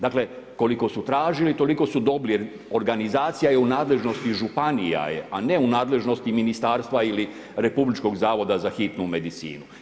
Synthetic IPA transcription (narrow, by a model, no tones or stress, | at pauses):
d̪akle̞ | ko̞liko̞sut̪ɾaːʒilit̪o̞liko̞sud̪o̞bli | o̞ɾɡanizaːt̪sijajeunaːd̪le̞ʒno̞st̪iʒupanija̰jeane̞unaːd̪le̞ʒno̞st̪iminist̪aːɾst̪ʋaili | ɾe̞publit͡ʃko̞ɡzaːʋo̞d̪azaxit̪nume̞d̪it̪sḭːnu